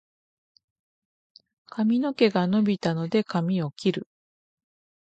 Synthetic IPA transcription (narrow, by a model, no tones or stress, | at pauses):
kʰamʲino̞ke̞ɡano̞bʲit̪ano̞d̪e̞kamʲio̞kʲiɾɯ̟